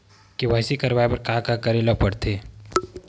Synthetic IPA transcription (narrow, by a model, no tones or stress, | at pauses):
kiʋaːɦsikɐɾʋaːepɐɾkaakakɐɾeːlapɐɽt̪ʰeː